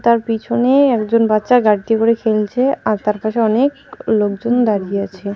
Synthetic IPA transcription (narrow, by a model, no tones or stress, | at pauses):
t̪aɾpit͡ɕʰoneɛkd͡ʑonbatːɕaɡaɖ̚t̪ikoɾekʰelt͡ɕʰeaɾt̪aɾpaʃeɔnek | lok̚d͡ʑond̪aɾieat͡ɕʰe